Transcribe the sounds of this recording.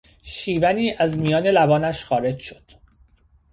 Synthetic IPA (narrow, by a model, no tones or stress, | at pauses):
ʃiːvæniːʔæzmijɒːne̞læbɒːnæʃxɒːɾe̞d͡ʒʃod̪̥